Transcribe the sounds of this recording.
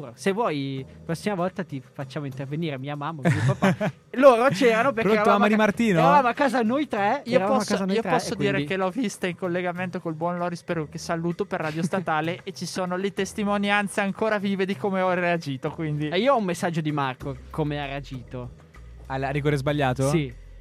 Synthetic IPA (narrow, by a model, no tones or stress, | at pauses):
ɾosevwɔjpɾɔsːimavɔlt̪at̪ifat͡ʃːaːmoint̪erveniːɾemiːamamːamipapa | loːɾot͡ʃɛːɾanopekat̪uaamad̪imart̪iːnoavaːmoakːaːzanojt̪ɾɛiːoɾaapɔskaniːopɔsːod̪iːɾekelɔvist̪aiŋkolːeɡament̪okolbwɔnlɔɾispeɾokesaluːt̪operːaːd̪jost̪at̪aːleʔet͡ʃisoːnolet̪est̪imonjant̪seaŋkoːɾaviːved̪ikomeɔread͡ʒiːt̪okwind̪iiːoɔumːesːad͡ʒːod̪imarkokomeaɾead͡ʒiːt̪o | alariɡkoɾezbaʎːaːt̪osi